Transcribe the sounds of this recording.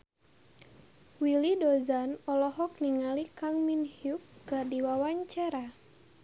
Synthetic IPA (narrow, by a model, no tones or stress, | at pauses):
wilidɔzanɔlɔɦɔk̚niŋalikaŋminhjukːərdiwawaɲt͡ʃaɾa